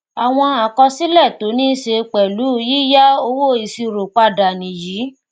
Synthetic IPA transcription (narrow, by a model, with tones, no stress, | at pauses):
a˨w̃ɔ̃˧a˨kɔ˧si˦lɛ˦˨to˨˦nĩ˦ʃe˧k͡pɛ˨lu˨˦˧jiː˦ja˦o˧wo˦i˨si˧˨ɾo˨k͡pa˧da˨nĩ˨jiː˨˦